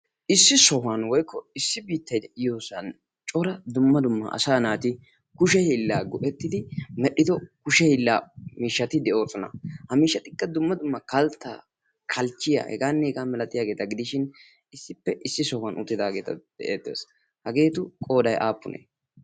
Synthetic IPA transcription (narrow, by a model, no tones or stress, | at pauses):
ʔɪsːɪsɔhʊɐnwɔjkːɔɪsːɪbiːt̪ːɐjd̪ɛʔɪjoːsɐn | t͡ʃʼɔɾɐd̪ʊmːɐd̪ʊmːɐ̰ʔɐ̰saːnaːt̪ɪ | kʊʃɛhɪlːaːɡɔʔɛt̪ːɪd̪ɪmɛɗɪd̪ɔkʊʃɛhɪlːaːmiːʃːɐt̪ɪd̪ɛʔo̞ːsɔnɐ̰hɐmiːʃːɐt̪ɪkːɐd̪ʊmːɐd̪ʊmːɐkɐlt̪ːa̰ː | kʰɐlt͡ʃːɪja̰hɛ̰ɡaːnːɛɡaːmɛlɐt̪ʼɪjaːɡe̞ːt̪ɐɡɪd̪ɪʃɪn | ɪsːɪpːɛʔɪsːɪsɔhwɐnʔʊ̰t̪ʼːɪd̪aːɡe̞ːt̪ɐ̰d̪̥ɛʔeːt̪ːḛːs | hɐɡe̞ːt̪ʊkʼo̞ːd̪ɐjʔaːpːʊnʔḛː